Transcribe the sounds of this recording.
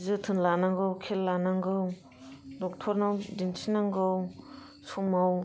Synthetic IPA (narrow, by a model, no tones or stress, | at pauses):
zɯtʰɯnlanaŋɡɯwkʰelːanaŋɡɯw | dɔk̚tʰɔɾnawdinsʰinaŋɡɯw | sumaw